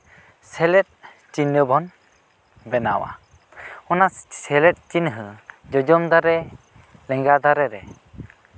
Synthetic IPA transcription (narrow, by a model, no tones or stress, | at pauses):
sɛlɛt̚ | t͡ʃinːɯbɔn | bɛnawa̰ | ɔnasɛlɛt̚t͡ʃinɦɯd͡ʒɔd͡ʒɔmd̪aɾɛ | lɛŋɡad̪aɾɛɾɛ